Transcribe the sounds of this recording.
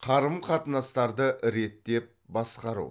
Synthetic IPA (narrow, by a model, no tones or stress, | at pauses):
qʰɑɾəmqʰɑt̪ənɑst̪ɑɾd̪əʔɾe̞t̪ːe̞p̚bɑsqɑɾṵ